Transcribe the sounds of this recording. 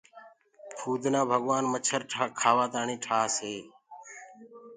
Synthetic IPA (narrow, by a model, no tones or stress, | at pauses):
pʰuːd̪ʱnãːbʱəɠʋaːnmət͡ʃʰəɾʈʰkʰaːʋaːt̪aːɳiːʈʰaːseː